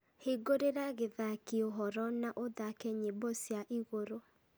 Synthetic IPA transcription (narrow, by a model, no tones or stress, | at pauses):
heɡoɾeɾaɣeðakeoɦɔɾɔnaʔoðakɛɲebɔsjaʔiɣoɾo